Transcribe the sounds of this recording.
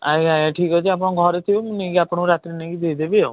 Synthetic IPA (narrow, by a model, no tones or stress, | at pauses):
aiajaʈʰikɔt͡ʃʰiapɽ̃ɔ̃ɡʱɔɾet̪ʰiumnekiapɽ̃õɾat̪ɾinekid̪eid̪ebio